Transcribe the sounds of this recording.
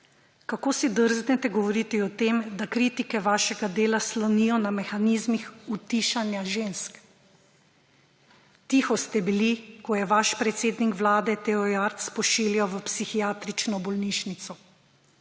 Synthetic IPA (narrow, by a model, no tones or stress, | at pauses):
kakoːsid̪əɾznɛt̪ɛɡɔʋɔɾiːt̪iɔt̪emd̪akɾit̪ikɛʋaːʃɛɡad̪eːlaslɔnijɔnamɛxaniːzmixut̪iːʃanjaʒensk | t̪ixɔst̪ɛbilikɔjɛʋaʃpɾɛt̪seːd̪nikʋlaːd̪ɛt̪ɛɔjaɾt̪spɔʃiːljɛwʋəpsixijaːt̪ɾit͡ʃnɔbɔlniːʃnit̪sɔ